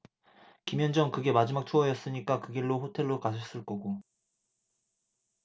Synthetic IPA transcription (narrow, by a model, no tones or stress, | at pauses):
kimjʌnd͡ʑʌŋkɯɡe̞mad͡ʑimak̚t͡ɕʰoʌjʌs͈ɯɲik͈akɯɡiɭːoɸotʰe̞ɭːokas̬ʰʌs͈ɯɭk͈ʌɡo